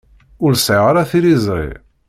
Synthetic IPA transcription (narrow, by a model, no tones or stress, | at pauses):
ʊɾsʕeʁɾaθiɾizˤɾḭ